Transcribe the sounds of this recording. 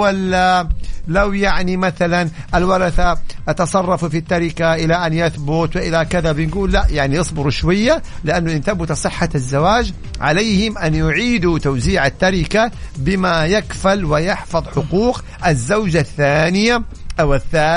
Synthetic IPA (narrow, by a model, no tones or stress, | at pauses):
walːalawjaʕnimaθalan | ʔalwɑɾˤɑθaʔɑt̪ɑsˤɑrˤːɑfufit̪ːɑɾɪkaʔɪlaʔanjaθbʊt̪wɪʔɪlakɪðabɪnɡuːlːaʔjaʕnijɨsˤbɪɾuʃwajːa | lɪʔanːʊʔɪnt̪abʊt̪sˤɨħːazːawaːd͡ʒ | ʕa̰lajhɪmʔanjʊʕiːd̪ut̪awziːʕat̪ːɑɾɪkabɪmajakfalwɪjɑħfɑðˤħʊquːq | ʔazːawd͡ʒaθːaːnɪja | wɪθːa